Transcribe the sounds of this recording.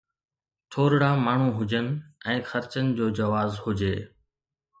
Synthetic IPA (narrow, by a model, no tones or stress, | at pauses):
t̪ʰoːɾɽaːmaːɳ̤ũːɦʊd͡ʑənɪ̆ɛ̃ːxɐɾt͡ɕənɪ̆d͡ʑoːd͡ʑɐʋaːzhʊd͡ʑeː